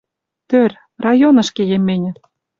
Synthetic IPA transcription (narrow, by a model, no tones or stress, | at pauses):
t̪ørʲ | rɑjonɤ̆ʃkejemːenʲɘ̆